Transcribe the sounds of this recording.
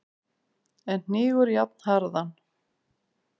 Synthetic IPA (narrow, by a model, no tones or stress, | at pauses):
ɛnn̥ɪːɣʏɾjap̚nhaɾðan